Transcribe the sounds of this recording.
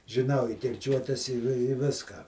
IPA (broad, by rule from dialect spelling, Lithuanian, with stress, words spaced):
ʒʲɪˈnɐʊ ɪ kʲɪrʲˈt͡ʃʲuɔtʲɛs ɪ ʋʲɪ ˈʋʲɪskɑː